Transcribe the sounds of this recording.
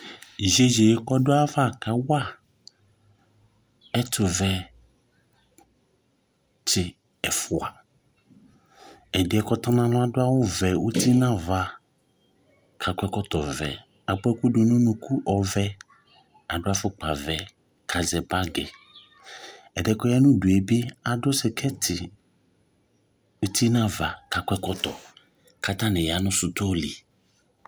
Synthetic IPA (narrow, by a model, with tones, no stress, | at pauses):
i˨ʒe˦ze˨je˦kɔ˦dʊ˦a˦va˦˨ka˨wa˦˨ | ɛ˦tʊ˨vɛ˨ | t͡ʃɪ˨ | ɛ˨fʊ˨a˨ | ɛ˨dɪ˦ɛ˨kɔ˦tɔ˦nã˦lʊ̃˦a˦dʊ˦a˦wʊ˦vɛ˨wu˦ti˦nã˦va˨ | kʰa˨kʷɛ˦kɔ˦tɔ˨vɛ̰˨ | a˨k͡pɛ˦ku˦dʊ˨nũ˦nũ˦ku˦ʔɔ˨vɛ˦ | a˨dʊ˦a˦fʊ˦k͡pa˨vɛ˨ | kʰa˨zɛ˨ba˦ɡɛ˨ | ɛ˨dɛ˨kɔ˦jɛ˦nʊ̃˦dʊ˨e˨bi˦a˨dʊ˦sɛ˨kʰɛ˦tʰɪ˨ | u˦ti˦nã˦va˨ka˨kʷɛ˦kɔ˦tɔ˨ | ka˦ta˦nɪ̃˨ja˨nʊ̃˦sʊ˨tʊ˦ɔ˦li˨